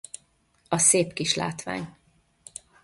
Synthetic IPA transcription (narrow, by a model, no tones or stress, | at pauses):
ɒseːpkiʃla̰ːt̪ʋa̰ːɲ